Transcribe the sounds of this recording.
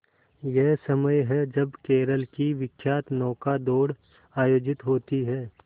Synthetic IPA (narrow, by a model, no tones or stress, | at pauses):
jɛɦsɐməjɦɛd͡ʒɐbkeːɾəlkiʋɪkʰːjaːt̪nɔːkad̪oːɽ | aːjoːd͡ʒɪt̪ɦoːt̪iɦɛː